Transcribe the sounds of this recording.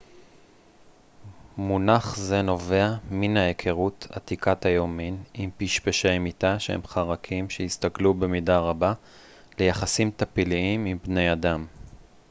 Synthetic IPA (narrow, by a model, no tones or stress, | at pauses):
munaχze̞no̞ve̞aminaekʰeʁut̪ʰa̰t̪ikat̪ajominimpiʃpeʃejmit̪aʃehḛmχaʁakʰimʃeist̪aklube̞midaʁaba | le̞jaχasimt̪apiliimimbne̞jad̪am